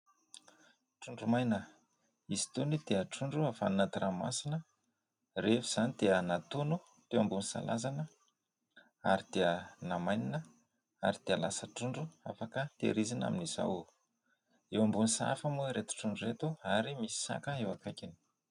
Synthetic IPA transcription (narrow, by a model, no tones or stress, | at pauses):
ʈ͡ʂuɳɖ͡ʐumajnə | izi̥t̪unid̪̥eəʈ͡ʂuɳɖ͡ʐuafa̰nunat̪irama̰sinə | refiz̥anid̪eənat̪onu | t̪ewambunisa̰lazanə | a̰ɾid̪̥eənamajninə | a̰ɾid̪̥eəlasəʈ͡ʂuɳɖ͡ʐua̰fakət̪ḛɾizina̰miniza̰w | ewambunisa̰famuɾet̪u̥ʈ͡ʂuɳɖ͡ʐuret̪uaɾimisi̥sa̰kəewakajkini̥